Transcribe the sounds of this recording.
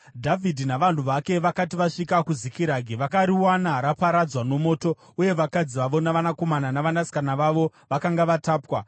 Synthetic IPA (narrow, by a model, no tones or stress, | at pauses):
dʱavʱidʱinaʋan̤uʋake̞ʋakatiʋaʂikakuzikiɾaɡʱiʋakaɾiwanaɾapaɾad͡zwano̞mo̞ːto̞ | uje̞ʋakad͡ziʋaʋo̞naʋanako̞mananaʋanasi̥kanaʋaʋo̞ | ʋakaŋɡaʋataːpwa